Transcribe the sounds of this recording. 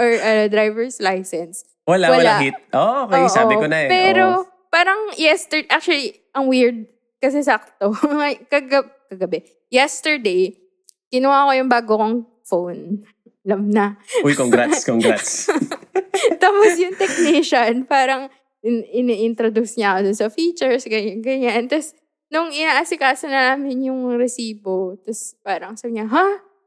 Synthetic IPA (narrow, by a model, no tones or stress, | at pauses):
ʔɔɹʔɐd̪ɾajvɛɹslajsɛns | wɐlawɐlaɡit̪̚ʔoʔkjʔsaːobɪkonɐpɛɾo | paːɾɐŋjɛst̪ɛɹʔak̚t͡ʃuɐli | ʔɐŋwiɹd̪̚ | kɐs̬ɛs̬ɐɐk̚t̪oɐkɐɡɐbkɐɡɐbɛ | jɛst̪ɛɹd̪ej | kɪnʊwakojʊŋbaːɡokoŋ | fown | ɐlɐmnɐujkoŋɡɾaskoŋɡat̪s | t̪aːposjʊŋt̪ɛk̚niʃɐnpaːɾɐŋ | ɪʔɪniʔɪnt̪ɾod̪usɲɐkod̪ʊnsɐfiːt͡ʃɛɹsɡɐɲɡɐɲant̪ɐs | nʊŋʔɪnaːʔasɪkaːsɐnɐnaːmɪnjʊŋɾɛsiːbot̪ɐspaːɾɐŋsabɪɲɐɦa